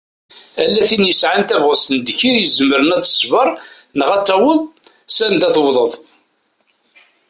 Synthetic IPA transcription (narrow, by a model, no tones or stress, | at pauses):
ælːæθinjəsʕant̪ævʁəst̪ənd̪çiɾjəzəməɾənæt͡sːə̥svəɾˤ | nəʁæt͡sːæwəðˤ | sænd̪æθəwðˤəðˤ